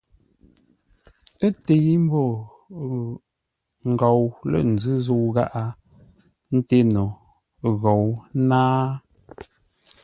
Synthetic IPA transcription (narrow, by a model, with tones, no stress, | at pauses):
e˦te˨˦m̩˦bo˦˨ | ŋ̩˨ɡɔ˨wlə̰˨n̩˨zɨ˦zo˦wɣa˦ʔa˦ | n̩˦te˦no˨ | ɣo˨wnaː˦